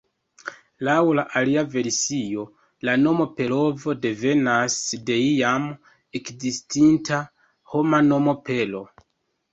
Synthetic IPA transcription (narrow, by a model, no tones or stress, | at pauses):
lawlaʔaliave̞ɾsio̞ | lano̞mo̞pe̞lo̞vo̞de̞ve̞nasde̞ijam | e̞kzistinta | ho̞mano̞mo̞pe̞lo̞